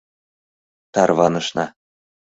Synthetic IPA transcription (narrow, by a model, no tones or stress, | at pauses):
t̪ɑrβɑnɤ̆ʃnɑ